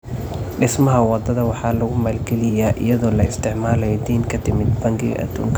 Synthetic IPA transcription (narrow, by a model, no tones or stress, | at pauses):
ɖɪsmɐɦɐwɑd̪ɐðɐwɑħɑːlɐɣʊmaːlɡɛlɪjaːʔɪjɐðɔːlɐɪst̪ʰɪʕmaːlɛjd̪iːnkʰɐt̪ʰɪmɪd̪bɐŋɡɪ̰ʔɐ̰d̪̥ṵːŋkʰɐ